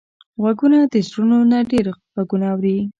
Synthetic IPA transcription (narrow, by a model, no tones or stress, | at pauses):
ɣwaɡunad̪əsɾunonaɖeɾɣaɡunaːwɾi